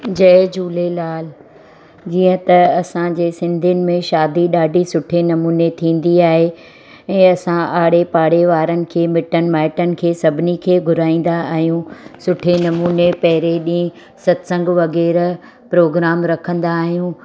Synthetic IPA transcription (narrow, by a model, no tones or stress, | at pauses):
d͡ʑɐːd͡ʑuːlelaːl | d͡ʑiːə̃t̪ɐɐsãd͡ʑeːsɪ̃nd̪ʱiənɪ̆mẽʃaːd̪iɗaːɖʱisʊʈʰenɐmuːnet̪ʰĩːn̆d̪iaːɦe | ɛ̃ːɐsãʔaːɽ̤epaːɽ̤eʋaːɾənɪ̆kʰeːmɪʈənɪ̆maːɪʈənɪ̆kʰeːsɐbʱɪnikʰeːɡʱʊɾaːĩːn̆d̪aːɦijũːsʊʈʰenɐmuːnepɐɦɪɾeɗĩː | sɐt̪sə̃ŋɡʋɐɣɛːɾ | pɾoːɡɾaːmɾɐkʰə̃nd̪aːɦijũ